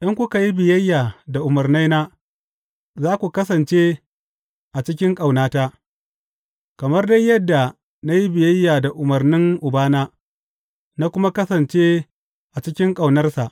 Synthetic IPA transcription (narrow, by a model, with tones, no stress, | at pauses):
ʔɪ˦ŋkʷʊ˦ka˨ji˦bɪ˨jɐ˦jːaː˨da˨ʔʊ˨mɐ˨rna˦jnaː˦ | zaː˦kʷu˨kɐ˦sɐ˨nt͡ʃeː˦ | ʔa˨t͡ʃɪ˦kʲɪ˦ŋkʼa˨wnaː˦ta˦ʔ | kɐ˨mɐ˦rda˦jjɐ˦dːa˨ | na˦ji˦bɪ˨jɐ˦jːaː˨da˨ʔʊ˨mɐ˨rnɪ˦ŋʔʊ˨baː˦naː˦ | na˦kʷʊ˦ma˦kɐ˦sɐ˨nt͡ʃeː˦ | ʔa˨t͡ʃɪ˦kʲɪ˦ŋkʼa˨wnɐ˦rsa˨ʔ